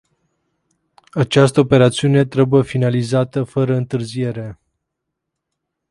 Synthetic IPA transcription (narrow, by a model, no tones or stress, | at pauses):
at͡ʃast̪əope̞ɾat̪siune̞t̪ɾebujefinalizat̪əfəɾəɨnt̪ɨrzije̞ɾe̞